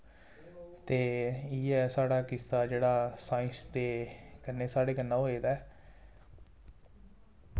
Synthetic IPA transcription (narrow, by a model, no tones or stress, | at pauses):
t̪eːiːɛːsaːɽaːkɪst̪aːd͡ʒeːɽaːsaːɪ̃st̪eːkənːeːsaːɽeːkənːãːoːeːd̪aɛː